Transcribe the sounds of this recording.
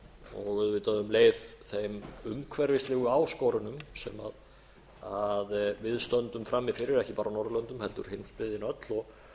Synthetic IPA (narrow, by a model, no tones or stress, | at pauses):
ɔɣðvɪt̪aðʏmleːjðθejmʏmkʰvɛɾvɪst̪lɛːɣʏawskɔːɾʏnʏmsɛ̰ma̰ð | aðvɪðst̪œnt̪ʏmfɾamːɪfɪɾɪɾɛhcɪpaːɾawnɔɾðlœnt̪ʏmhɛl̪t̪ʏ̰ɾ̥henspɪðɪnœt̪lɔɣ